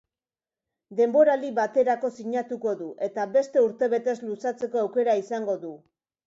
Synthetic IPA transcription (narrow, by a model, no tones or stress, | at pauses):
d̪e̞mbo̞ɾaliβat̪e̞ɾako̞siɲat̪uko̞ðuʔe̞t̪aβe̞st̪e̞uɾt̪e̞βe̞t̪e̞zlusat͡se̞ko̞awke̞ɾaisaŋɡo̞ðu